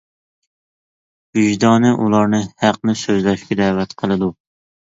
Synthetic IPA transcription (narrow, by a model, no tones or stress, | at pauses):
ɡyʒd̪ɑnɨʔulˠɑɾnɨhæq̚nɨsøzlɛʃkʲɛd̪æːvɛt̪qʰəlˠɨd̪u